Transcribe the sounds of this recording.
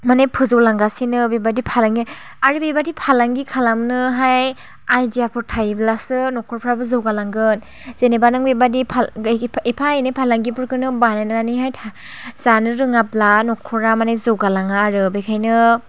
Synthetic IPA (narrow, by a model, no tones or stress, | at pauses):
manejpʰɯzɯwlaŋɡasinɯbebadipʰalaŋɡi | aɾɯbebadipʰalaŋɡikʰalamnɯɦaj | ajdijapʰɯɾtʰajblasɯnɔkʰɔɾpʰɾabɯzɯwɡalaŋɡɯn | z̥enebanɯŋbebadipʰaepʰaenɯpʰalaŋɡipɯɾkʰɯnɯbanajnaɾaniɦajtʰa | z̥anɯɾɯŋaplanɔkʰɔɾamanajzɯwɡalaŋaːɾɯbekʰajnɯ